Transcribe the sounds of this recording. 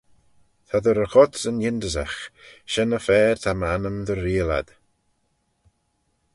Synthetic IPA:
t̪ʰad̪əɾəxɔdsənjɪndəza̰xʃɛnəfɛːɾt̪ʰamanəmðəɾiːəla̰d̪̥

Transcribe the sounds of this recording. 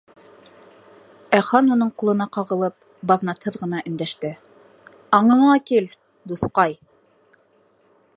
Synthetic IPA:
æχɑnunɤɴqulˠɤ̆nɑqɑʁɤ̆lˠɤp̚ | bɑðnɑt̪hɤðʁɤ̆nɑʔɵ̆nd̪æʃt̪ɘ | ɑɴɤ̆ɴɑkil | d̪uθqɑj

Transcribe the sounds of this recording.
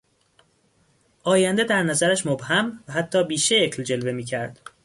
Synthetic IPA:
ʔɒːjænd̪ed̪æɾnæzæɾæʃmobhæmvæɦæt̪ʰːɒːbiːʃejecʰld͡ʒe̞lve̞miːcʰæɾd̪̥

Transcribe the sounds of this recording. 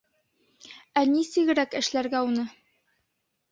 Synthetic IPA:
ænisɘ̆ɡɘ̆ɾækɘ̆ʃlæɾɡæunɤ

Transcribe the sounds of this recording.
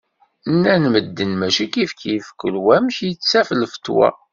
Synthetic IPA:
nːænməd̪ːənmæʃikifkjəfkːəlwæmçjit͡sːt͡sːæflfə̥t̪ːwæ̰

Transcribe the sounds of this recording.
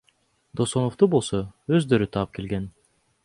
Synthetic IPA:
d̪o̞sonoft̪ubo̞lˠsoøzd̪ø̞ɾyt̪ʰɑɯp̚ke̞lɡen

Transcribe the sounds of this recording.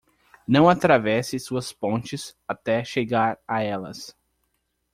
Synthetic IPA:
nɐ̃w̃at̪ɾavɛsɪsuɐspõt͡ʃɪsat̪ɛʃeɡaɾaɛlɐ̰s

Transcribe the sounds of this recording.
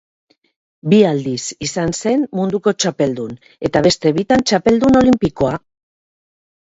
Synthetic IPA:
biald̪isisanse̞nmund̪uko̞t͡ʃape̞ld̪un | e̞t̪aβe̞st̪e̞βit̪ant͡ʃape̞ld̪uno̞limpiko̞a

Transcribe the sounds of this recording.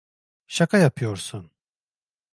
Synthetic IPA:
ʃakʰajapʰɯjo̞ɾsun

